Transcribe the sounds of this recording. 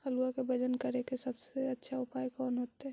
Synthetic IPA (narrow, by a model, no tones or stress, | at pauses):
hɐluakebɐd͡ʒənkɐɾekesɐbseɐtːʃʰaʊpaːjkɔːnɦoːt̪eɦɛ̃